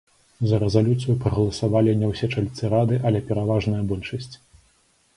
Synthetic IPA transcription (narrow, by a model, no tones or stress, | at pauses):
zɐɾɛzalʲut̪sɨjupɾɐɣɐlˠɐsavalʲinʲɛwsʲɛt͡ʂalʲt̪sɨɾad̪ɨʔɐlʲɛpʲɛɾavaʐnɨjɐbɔlʲʂɐsʲt͡sʲ